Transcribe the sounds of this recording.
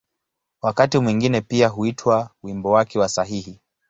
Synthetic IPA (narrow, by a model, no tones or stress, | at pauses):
wakatimwiŋɡinɛpiaɦuitʰwawimbɔwakɛwasaɦihi